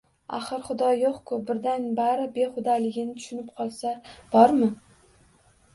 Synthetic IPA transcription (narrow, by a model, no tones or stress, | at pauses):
a̰χɨɾχʊd̪ɒjoqkʰʊbɪɾd̪anbaɾɪbe̞χʊd̪alɪɡʲɪnɪt̪ʰʊ̥ʃʊnɪp̚qʰɒlˠsab̥ɒɾmɪ